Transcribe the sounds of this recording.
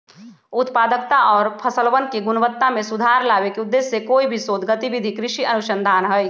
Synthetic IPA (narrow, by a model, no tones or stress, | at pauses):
ʊt̪paːd̪ək̚t̪aʔɔːɾpʰɐsəlʋənkeɡʊnʋət̪ːamẽsʊd̪ʱaːɾlaːʋekeʊd̪ːeːsːekoːibʱisoːd̪ɡət̪iʋid̪ʱikɾɪʃiɐnʊʃə̃nd̪ʱaːnɦəj